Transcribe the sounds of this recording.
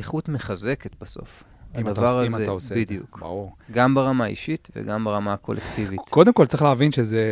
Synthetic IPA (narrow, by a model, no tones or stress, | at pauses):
eχutmeχaze̞ket̪baso̞̰f | adavvaʁazesidjṵkba̰uʁɡambaʁamaḭʃit̪vḛɡambaʁamako̞̰lʔektivitkod̪emko̞ltt͡sʁiχleavinʃeze